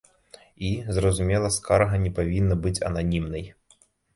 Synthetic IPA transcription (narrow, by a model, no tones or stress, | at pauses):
izrɐzumʲɛlˠɐskaɾɐɣɐnʲɛpavʲinːɐbɨt͡sʲɐ̰nanʲimnɐj